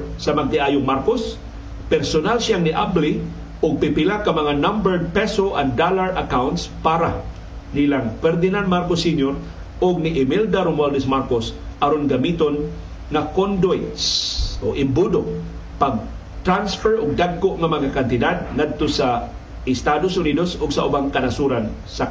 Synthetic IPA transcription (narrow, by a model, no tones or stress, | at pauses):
samaɡ̚t̪ɪʔaːjʊŋmaɾkos | pɛɾsonalʃjaŋnɪʔabli | ʔʊɡ̚pɪpɪlakːamɐŋanambɛɹd̪̚pɛsoʔaŋd̪alaɹʔakawnt̪spaːɾa | nilaŋfɛɾd̪ɪnanmaɾkosiɲoɾ | ʊɡ̚nɪʔɪmild̪aɾʊmwɛld̪ɪsmaɾkosʔaɾonɡamit̪on | ŋakond̪wjt̪so̰ʔɪmbud̪o | paɡ̚ | t̪ɾansfɛɹʊɡ̚d̪aɡ̚koʔŋamaŋakant̪ɪd̪ad̪̚ŋad̪̚t̪osa | ɪst̪ad̪osʔʊnid̪osʊɡsaʔʊbaŋkanasuɾansa